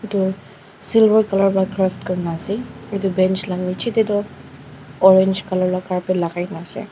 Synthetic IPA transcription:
itʊ | silbəɹkalɔɹpɔakɹaftkɔɹinasɛetubɛnt͡ʃlannit͡ʃʰitetɔ | ɔɹɛnd͡ʒkalɔɹlɔkaɹpɛlakajnasɛ̰

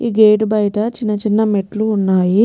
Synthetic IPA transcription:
iːɡeːʈbɐjʈɐt͡ʃinːɐt͡ʃinːɐmeʈluːnːaːji

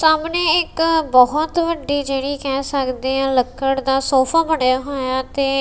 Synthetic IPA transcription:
saːmneːɪkbɔɦɔt̪ʋəɖːiːd͡ʒeːɽiːkɛːsəkd̪eːãːləkːəɽd̪aːsoːpʰaːbəɽejaːɦoːjaːt̪eː

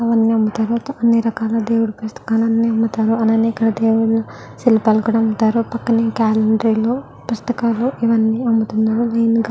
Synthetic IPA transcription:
ɐʋɐnːiɐmbut̪aːɾut̪ɐnːiːɾɐkaːlɐd̪eːwuɽupust̪ɐ̥kaːlɐnːiɐmbut̪aːɾuɐnɐneikːɐɽɐd̪eːwuɭɐ | silipaːlɐkuːɽaɐmbut̪aːɾupɐkːɐneːkaːleɳɖɾiloː | pust̪ɐkaːloʔiʋɐnːiɐmbut̪unːaːɾulɐjnɡ

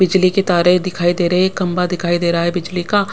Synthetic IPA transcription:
bɪd͡ʒliket̪aːɾed̪ɪkʰaːid̪eːɾɐɦekɐ̃mbad̪ɪkʰaːid̪eːɾɐɦaɦɛbɪd͡ʒlika

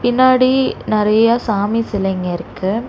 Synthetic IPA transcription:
pɪnːaːɽinɪɾɐjasaːmisɪlɐŋɡɐɪɾɯkːɯ

